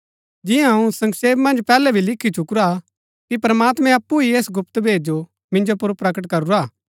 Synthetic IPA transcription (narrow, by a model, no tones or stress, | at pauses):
d͡ʒɪjãɦɐũsɐ̃ŋɡseːbmɐ̃nd͡ʒpɛːlɛbʱilɪkʰːit͡ʃʊkɾa | kipɾmaːt̪mɛ̃ɐpːuieːsɡʊpt̪bʱeːd͡ʒd͡ʒo | mɪ̃nd͡ʒopʊɾpɾɐkəʈkɐɾuɾaː